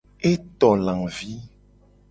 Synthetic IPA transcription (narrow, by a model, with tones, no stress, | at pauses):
e˦t̪ɔ˨lã˨vi˦